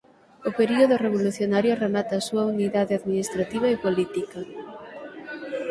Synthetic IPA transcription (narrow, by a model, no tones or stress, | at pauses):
ʊpeɾioðʊreβ̞oluθjonaɾjoremat̪aːsuɐuniðaðeaðminist̪ɾat̪iβ̞ɐepolit̪ikɐ